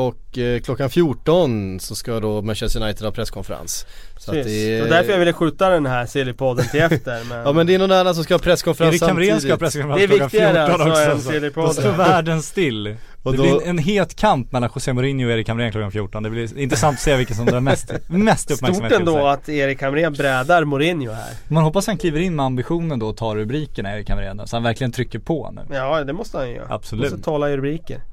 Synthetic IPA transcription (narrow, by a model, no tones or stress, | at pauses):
ɔkːkʰlɔkːanfjuːʈɔnsɔskad̪ɔmanʃɛst̪ənajt̪əd̪hɑːpʰɾɛskʰɔnfəɾa̰ns | sɔat̪d̪ɛɔd̪æɾfɔjavɪlːəɧʉ̟ːt̪ad̪ɛnɦæɾsɪlɪpʰɔd̪ːnt̪ʰɪlɛft̪əɾmɛnɑːmɛnɛɛɾnɔnanːas̬ɔmskahɑːpʰɾɛskʰɔnfəɾaɾɪkʰːamɾinsd̪ahːpʰɾɛskʰɔnfəɾanvɪafɪaɾəɔnɔk̪sɛɔsselɪpʰɔɔvæːɖənst̪ɪlː | ɔd̪ɛbɪɛnɦeːlt̪kʰampmɛlːanɧʊseːmʊɾɪnjʊɔeːɾɪkʰːamɾeːnklɔkafjuːʈɔnd̪ɛblɪnt̪ɾəsant̪ɔ̥seːvɪlkːənsɔmd̪ːɾmɛst̪mɛst̪ɵpmæɾsmːtɛnd̪ɔat̪eːɾɪkːamɾeːnbɾɛːd̪aɾmʊɾɪnjʊhæ̰ːɾɔmɛnhɔpːasat̪hankliːvəɾɪnːmɛambɪɧuːnənd̪ɔɔt̪ʰɑːɾːɵbɾiːkəɳaeːɾɪkːhamɾḛːnsɔhanvæɾklɪɡənt̪ʰɾʏkːəɾpʰɔnʉ̰ːjɑːd̪ɛmɔst̪əhanjʏjœ̰ɾa̰a̰b̥sɔlʉːt̪ʰɑːlaɪɾʉbɾiːkə̰ɾ